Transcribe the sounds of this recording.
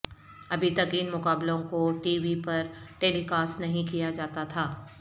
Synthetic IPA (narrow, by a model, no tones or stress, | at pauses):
ɐbʱit̪ɐkɪnmʊkaːblõkoʈiːʋipɐɾʈeːlikaːsnɐɦĩkijad͡ʒaːt̪at̪ʰaː